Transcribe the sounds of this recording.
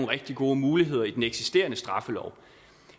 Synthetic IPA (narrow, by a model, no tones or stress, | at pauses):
nʁɛɡ̥̚d̥iɡ̥o̝ːmuːliɦe̝ð̞̰ˠɐid̥eneɡ̥sisd̥e̝̰ːɐnəsd̥ʁɑ̈fəlɒʊ